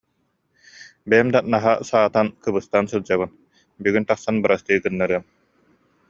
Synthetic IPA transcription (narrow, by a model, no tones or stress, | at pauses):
bɛjɛmd̪anaɦasaːt̪ankɯbɯst̪ansɯlˠd͡ʑaβɯn | byɡynt̪aχsanbɯɾast̪ɯɯkɯnːaɾɯɐm